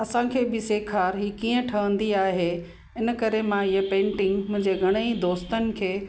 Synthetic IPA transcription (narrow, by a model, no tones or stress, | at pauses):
ɐsãkʰeːbɪseːkʰaːɾɦiːkiːə̃ʈʰɐʋə̃nd̪iaːɦe | ɪn̆kɐɾemãɪɦepẽːɳʈɪ̃ŋɡmʊ̃ɦɪ̃ɲd͡ʑeɡʱɐɽ̃əid̪oːst̪ənɪ̆kʰeː